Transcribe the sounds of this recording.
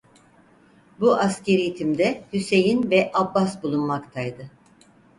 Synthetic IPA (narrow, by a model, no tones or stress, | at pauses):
buʔasce̞ɾit̪ʰimd̪ɛhyse̞jinvɛʔabːasbulˠunmakt̪ʰajd̪ɯ